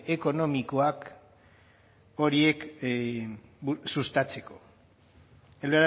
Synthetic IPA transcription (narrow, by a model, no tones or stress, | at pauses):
e̞ko̞no̞miko̞ak | o̞ɾie̞k | sust̪at͡se̞ko̞ | eleɾ